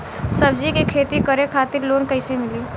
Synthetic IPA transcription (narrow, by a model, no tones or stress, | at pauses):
sɐbd͡ʒikikʰeːt̪ikəɾekʰaːt̪ɪɾloːnkəɪsemɪliː